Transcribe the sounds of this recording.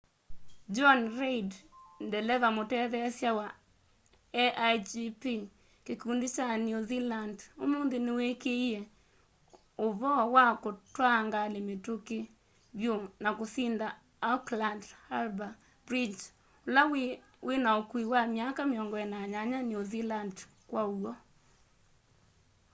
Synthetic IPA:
d͡ʒɔnɾedndɛlɛvamotɛðɛasjawa | ɛʔad͡ʒipi | kekundit͡ʃanjuzilandomond̪ɪnɪwekeje | ovɔwakotwaŋɡalemetoke | bjonakosinda | aklandhalba | bɾid͡ʒ | olaw | wʔenaokwiwamjakamjɔŋɡɔɛnaɲaɲanjoziland | kwawɔ

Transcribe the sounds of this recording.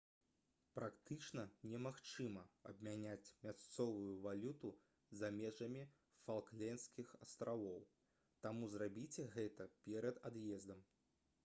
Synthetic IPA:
pɾakt̪ɨt͡ʂnɐnʲɛmaxt͡ʂɨmɐɐbmʲanʲat͡sʲmʲast̪sɔvujuvalʲut̪u | zamʲɛʐɐmʲi | falˠklʲɛnsʲkʲixɐst̪ɾʔavɔw | t̪amuzrabʲit͡sʲɛɣɛt̪ɐpʲɛɾɐd̪ad̪jɛzd̪ɐm

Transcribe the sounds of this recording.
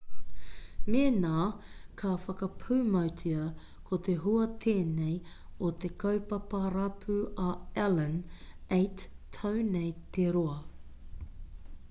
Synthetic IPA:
meːnaːkʰafɐkɐpʰʉːmɐwtʰiɐ | kʰot̪e̞ɦuɐt̪ʰeːnej | ot̪ekʰɐwpɐpɐɾɐpʰʉʔaɛlənejtʰːɐwnejt̪eɾoɐ

